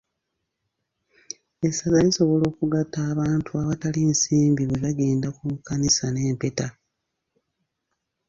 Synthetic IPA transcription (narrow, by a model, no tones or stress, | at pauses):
e̞sazaliso̞βo̞lo̞ːkuɡatːaːβaːntʰuaβataliːnsiːmbiβeβaɡe̞ːndakumukːanisane̞ːmpe̞ta